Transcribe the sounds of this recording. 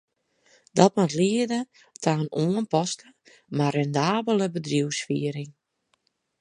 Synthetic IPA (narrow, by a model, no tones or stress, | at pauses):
dɔt̚matliədə | tʰaːnuənpɔstə | marɛndaːbələbədriwsfiəɾɪŋ